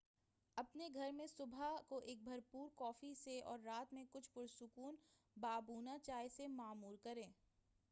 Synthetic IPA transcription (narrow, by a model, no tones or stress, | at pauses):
ɐpneɡʱɐɾmẽsʊbʱakoʔeːk̚bʱɐɾpuːɾkɔːfiseɔ̰ːɾːaːt̪mẽkʊt͡ʃʰpʊɾsʊkuːn | baːbuːnat͡ʃaːjsemaːmuːɾkɐɾẽː